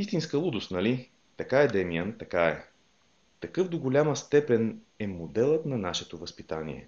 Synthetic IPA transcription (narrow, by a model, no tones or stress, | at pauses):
ist̪inskəlˠud̪ʊst̪nɐli | t̪ɐkaɛd̪ɛmiənt̪ɐkaɛ | t̪ɐkɤfd̪oɡolʲaməst̪ɛpɛn | ɛmod̪ɛlˠət̪nɐnaʃɛt̪ovəspit̪anḭɛ̰